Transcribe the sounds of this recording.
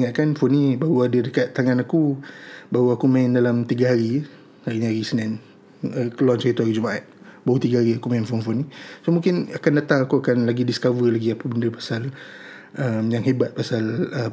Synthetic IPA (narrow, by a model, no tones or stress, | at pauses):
ŋaʔ̪̚kanfʊnibaɾuadədəkat̪ːaŋãnakubaɾuakumãɪndalamt̪iɡaɦaɾi | haɾiniɦaɾisənan | əkəlɔnt͡ʃit̪uɦaɾid͡ʒumaʔat̪̚baut̪iɡaɦaɾiakumaɪnfʊnfʊnisomũŋkɪnakandat̪aŋakuakanlaɡidiskavərlaɡiapabəndəpḁsal | əmjaŋɦebat̪̚pasalə